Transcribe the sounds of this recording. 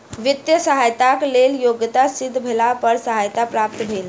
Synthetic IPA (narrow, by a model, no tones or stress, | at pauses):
ʋit̪jəsəɦajt̪akleljoɡt̪asid̪ʱːbʱelapəɾsəɦajt̪apɾap̚t̪əbʱel